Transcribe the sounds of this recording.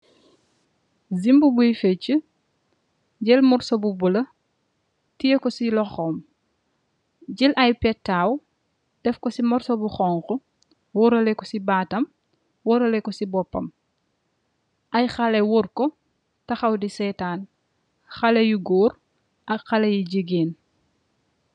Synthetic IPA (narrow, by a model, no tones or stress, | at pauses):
zimbubujfɛt͡ʃːu | ɟɛlmɔɾsɔbubulɐ | tijekɔsilɔxɔːm | ɟilʔɐjpɛtːaːw | d̥ɛfkɔsimɔɾsɔbuxɔːŋxu | wɔɾɐlɛkɔsibaːtɐm | wɔɾɐlɛkɔsibɔpːɐ̰m | ʔɐjxɐlɛwurkɔ | tɐxɐwdisɛːtaːn | xɐlɐjuɡɔːr | ʔɐxɐlɐjiɟəɡeːn